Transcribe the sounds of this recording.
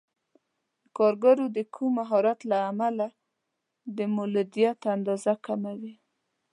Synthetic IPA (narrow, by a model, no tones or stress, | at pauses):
d̪əkɑɾɡaɾod̪əkʰumːaɦɔɾat̪laːmala | d̪əmʊlad̪ijat̪and̪ɑzakamawi